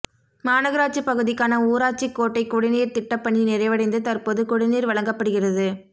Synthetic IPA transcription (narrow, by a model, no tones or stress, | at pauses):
maːnɐɣɐɾaːt͡ʃɯpːɐɣɯðɪkːaːnɐuːɾaːt͡ʃikːoːʈːɐɪkːʊɽɪniːɾt̪ɪʈːɐpːɐɳːinɪrɐɪʋɐɽɐɪnd̪ɯt̪ɐrpoːðɯkʊɽɪniːɾʋɐɭɐŋɡɐpːɐɽɯɣɪrɐðɯ